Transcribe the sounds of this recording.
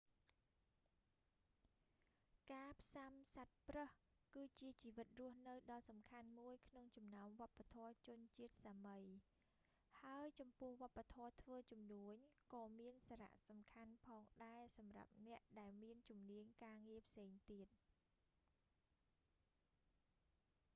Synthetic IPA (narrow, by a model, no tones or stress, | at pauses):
kaːpʰsamsat̪̚prəhkɨːt͡ɕiət͡ɕiːʋɨt̪̚rʊ̆əhnɨwɗɑlsɑmkʰanmuəjkʰnoŋt͡ɕɑmnaɔmʋŏəpːat̪ʰɔət͡ɕʊ̆ənt͡ɕiət̪̚saːməj | haəjt͡ɕɑmpʊ̆əhʋŏəpːat̪ʰɔət̪ʰʋəːt͡ɕumnuəɲkɑːmiənsaːɾa̰ʔsɑmkʰanpʰɑːŋɗaɛsɑmra̰p̚nɛ̆əʔɗaɛlmiənt͡ɕumniəɲkaːŋiəpʰseːŋt̪iət̪̚